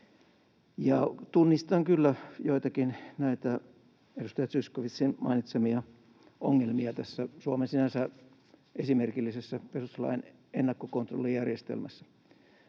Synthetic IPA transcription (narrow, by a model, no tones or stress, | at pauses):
jɑt̪unːist̪ɑŋkylːæjoit̪ɑkinnæit̪æ | edust̪ɑjɑt̪syskoʋit̪sinmɑ̰init̪semiɑ | oŋːelmiɑt̪æsːæsuomensinænsæ | ʔesimerkilːisesːæpesuslɑ̰in | enːɑkːokont̪ro̰lːijærjest̪ḛlmæsːæ̥